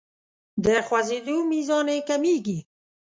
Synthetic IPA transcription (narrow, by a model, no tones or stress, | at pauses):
d̪əxwazid̪umizɑːnekamiːɡi